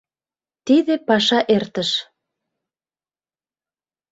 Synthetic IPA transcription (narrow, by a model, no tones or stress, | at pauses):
t̪iðĕpɑʃɑʔert̪ə̆ʃ